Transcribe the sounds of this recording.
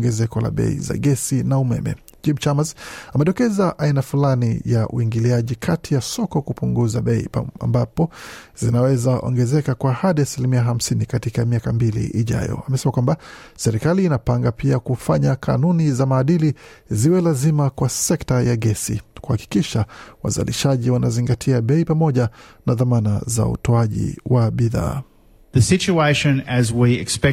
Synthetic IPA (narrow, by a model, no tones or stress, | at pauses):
ŋɡɛzɛkɔla̰ɓɛ̰ḭza̰ɡɛsinaumɛ̰mɛ̰ | d͡ʒimt͡ʃamasamɛɗɔkɛzaʔainafulanḭjaʔṵiŋɡiliaʄikʰatʰijasɔkɔkupuŋɡuzaɓɛḭa̰mbapɔzinawɛzaʔɔ̰ŋɡɛzɛkakwaːhaɗiasilimiaɦam̩sinikatikamiakambilḭʔːʄa̰jɔ̰amɛsɛmakwamba | sɛɾikaliːnapaŋɡapiakufaɲaka̰nunizamaːɗiliziwɛlazimakwasɛktajaɡɛsḭkuhaki̥kiʃawa̰za̰lḭʃaʄiwanaziŋɡatʰiaɓɛipamɔʄanaðamana̰za̰ṵtɔaʄḭwaɓiða̰ː | ðɨsɪt͡ʃueɪʃɨ̃nɨzwiɪkspɛ